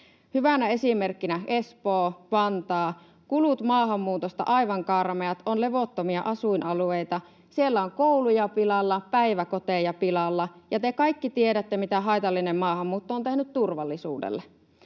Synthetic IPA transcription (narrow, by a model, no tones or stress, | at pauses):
hyʋænæe̞simerkːinæʔespoːpɑnt̪ɑː | kulut̪mɑːɦɑmːuːt̪ost̪ɑ̰ʔɑiʋɑŋkɑrmeɑt̪onleʋot̪ːomiɑʔɑsuinʔɑluejt̪ɑ | sielːæoŋkoulujɑpilɑlːɑpæiʋækot̪ejɑpilɑlːɑjɑt̪ekɑikːit̪ieɾæt̪ːemit̪æɦɑjt̪ɑlːinemmɑːhɑmːuːt̪ːooːnt̪ehnyt̪t̪urʋɑlːisṵːdḛlːe